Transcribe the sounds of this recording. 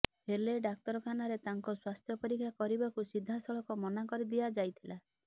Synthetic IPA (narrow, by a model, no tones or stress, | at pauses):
ɦeleɖak̚t̪ɔɾɔkʰanaɾet̪aŋkɔswast̪ʰjɔpɔɾikʰjakɔɾibakusid̪ʱːasɔɭɔkɔmɔnakɔɾid̪ijad͡ʒajt̪ʰila